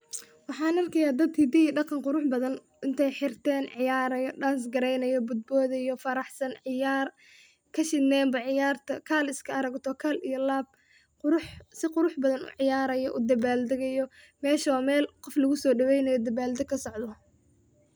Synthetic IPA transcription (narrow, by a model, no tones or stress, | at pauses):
wɑħɑːnɐrkʰɐjaːd̪ɐd̪kʰid̪ɪɖɑqɑnqʊɾʊħbɐðɐn | ʔɪnt̪ʰɛjħɪrt̪ʰɛːnʕɪjaːɾɐjɔɖaːns̬ɡɐɾɛjnɐjɔbʊd̪̚bɔːðɐjɔfɐɾɑħsɐnʕɪjaːr | kʰɐʃɪd̪nɛːmbɐʕɪjaːrt̪ʰɐkʰaːlɪskʰɐɐɾɐɡt̪ʰɔkʰɐlijɔlaːb̚ | qʊɾʊħsɪqʊɾʊħbɐðɐnṵʕɪjaːɾɐjɔʔṵd̪ɐβaːld̪ɐɣɐjɔ | mɛːʃɐwːmɛːlqɔflɐɣʊsɔːɖɐwɛjnɐjɔd̪ɐbaːld̪ɐkʰɐsɔʕd̪ɔ